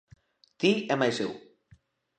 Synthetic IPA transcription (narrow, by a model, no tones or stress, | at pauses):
t̪iemajsew